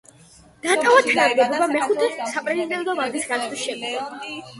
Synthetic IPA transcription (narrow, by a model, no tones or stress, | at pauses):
d̪̥at̪ʼavat̪ʰnaɾɡ̪ɛbɔbamɛχut̪ʰɛsapʼɾɛzid̪ɛnt̪ʼɔvalɡisɡasʰisʃɛkʰd̪a